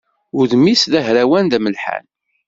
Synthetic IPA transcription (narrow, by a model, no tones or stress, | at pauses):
ʊðmisðæɦɾæwænðæməlħa̰n